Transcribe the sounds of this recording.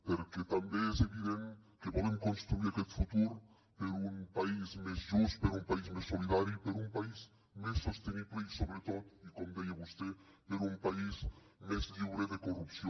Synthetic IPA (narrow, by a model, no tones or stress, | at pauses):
peɾket̪ambeezeβiðenkepɔðemkonst̪ɾuiɾakɛt̪fut̪uɾ | peɾuŋpaizmezʒust̪peɾumpaizmesːoliðaɾipeɾumpaiz | mesːost̪eniβleisoβɾet̪ot̪ikomd̪ejeβust̪epeɾumpaismezʎiβɾeðekorupsjo